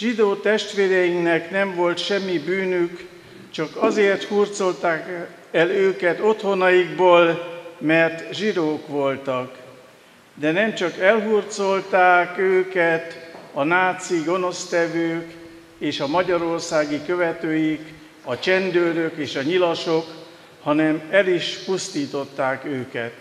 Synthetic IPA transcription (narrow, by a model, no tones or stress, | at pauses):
ʒid̪oːt̪ɛʃt̪ʋeːɾɛjiŋknɛknɛɱvo̞lt̪ʃɛmːibyːnyk | t͡ʃɒkɒzeːrt̪hurt̪so̞lt̪aːk | ɛløːkɛt̪o̞t̪ho̞nɒjiɡ̚boːlmɛrt̪ʒid̪oːkʋo̞lt̪ɒk | d̪ɛnɛmt͡ʃɒkɛlɦurt̪so̞lt̪aːkøːkɛt̪ɒnaːt̪siɡo̞no̞st̪ɛvøːk | eːʃɒmɒɟɒɾo̞rsaːɡikø̞vɛt̪øːjik | ɒt͡ʃɛnd̪øːɾøkeːʃɒɲilɒʃo̞k | hɒnɛmɛliʃpust̪iːt̪o̞t̪ːaːkøːkɛt̪